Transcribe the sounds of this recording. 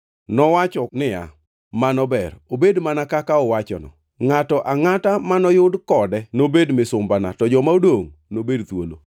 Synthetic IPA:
nɔwat͡ʃɔnɪja̰ | manɔbɛrobedmanakakaɔwat͡ʃɔ̰nɔ̰ | ŋatɔʔaŋatamanɔjʊdkɔdɛnobedmɪsʊmbana̰tɔd͡ʒɔmaodoŋnobedt̪wo̰lo̰

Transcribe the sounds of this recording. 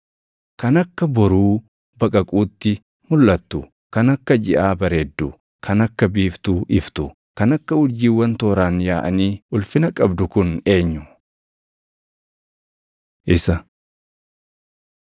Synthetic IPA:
kɐnɐkːɐbɔɾuː | bɐkʼɐkʼuːt̪ːɪ | mʊlːɐt̪ːʊ | kɐnɐkːɐd͡ʒɪʔaːbɐɾeːd̪ːʊ | kʰɐnɐkːɐbiːft̪uːʔɪft̪ʊ | kɐnɐkːɐʊɾd͡ʒiːwːɐnt̪oːɾaːnjaːʔɐniːʊlfɪnɐkʼɐbd̪ʊkʊne̞ːɲːʊ | ʔɪsɐ

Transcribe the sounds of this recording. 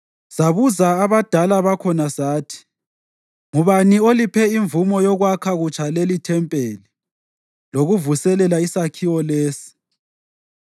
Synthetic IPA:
saβuzaːβad̥ʱalaβakʰɔnasaːtʰi̥ | ŋuβaniolipʰɛiɱvumɔjɔɣwakʰaɣut͡ʃʰʼalelitʰɛmpʼeli | loɣuvusɛlɛlaisakʰiwɔleːsi̥

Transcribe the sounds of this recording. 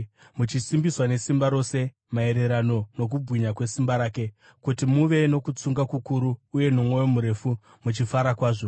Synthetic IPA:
mut͡ʃisimbiswane̞simbaɾo̞se̞ | mae̞ɾe̞ɾano̞no̞k̬ubʱwiɲakwe̞simbaɾaːke̞ | kutimuʋe̞no̞kut͡suŋɡakukuɾuːje̞nomwo̞jo̞muɾe̞fu | mut͡ʃifaɾakwaːʐo̞

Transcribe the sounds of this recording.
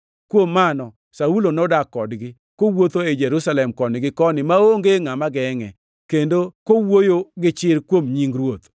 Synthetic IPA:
kwomːanɔ | saulonɔdakːɔdɡɪ | kowot̪oed͡ʒɛɾusalɛmkɔnɪɡɪkɔnɪmaoŋɡeŋamaɡɛŋɛ̰ | kendokowojoɡɪt͡ʃɪrkwomɲiŋɡɾwot̪

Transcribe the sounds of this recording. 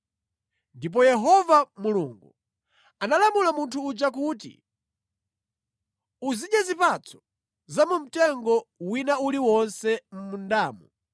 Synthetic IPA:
ndip̬ɔjɛɦɔvamuluŋɡu | analamulamuntʰuːd͡ʒak̬uːtḭ | uziɗjɛzipat͡sʰɔ̥ | zamum̩tɛŋɡɔwinauliwɔnsɛm̩mundaːmu

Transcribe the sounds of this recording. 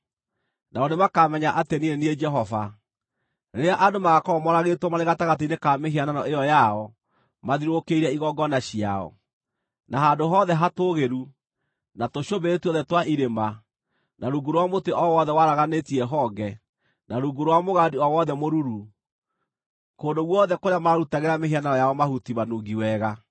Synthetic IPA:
naɔnemakaːmɛɲaʔateniɾeniɛd͡ʒɛɦɔva | neɾeaʔadomaɣakɔːmɔɾaɣetwɔmaɾeɣataɣat̬einekameɦiananɔʔejɔjaɔ | maðiɾokeiɾɛiɣɔɡɔnaɕia̰ɔ̰ | naɦadoɦɔːðɛɦatoɣeɾu | natoɕobeɾetiɔðɛtwaʔiɾema | naɾuɡoɾwamoteʔɔwɔðɛwaɾaɣanetiɛɦɔɡɛ | naɾuɡoɾowamoɣadiɔwɔðɛmoɾuɾu | koːndoɣwɔðɛkoɾjamaaɾutaɣeɾameɦiananɔjaɔmahutimanuɡiwɛːɣa

